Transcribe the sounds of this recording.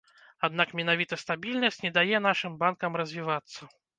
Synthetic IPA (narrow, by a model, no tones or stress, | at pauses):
ad̪nakmʲɛn̪avʲit̪ɐst̪abʲilʲnɐsʲtʲt͡sʲnʲɛd̪ajɛn̪aʂɨmbankɐmrɐzʲvʲivat̪sːɐ